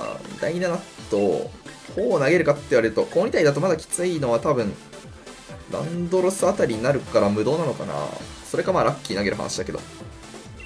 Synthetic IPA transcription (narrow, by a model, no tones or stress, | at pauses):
d̪a̰iɲinanat̪ːo̰hoːnaɡe̞ɾɯ̟kat̪ːe̞iβaɾe̞ɾɯ̟t̪o̞koːɲʲit̪aid̪at̪omad̪akʲi̥t͡sɨino̞β̞at̪abɯ̟̃ɴ | ɾã̰nd̪o̞ɾosɨat̪aɾʲiɲ̟inaɾɯ̟kaɾamɯ̟d̪o̞ːnano̞ka̰na̰ | so̞ɾe̞kamaːɾakʲːiːnaɡe̞ɾɯ̟ɦa̰naɕid̪ake̞d̪o̞̰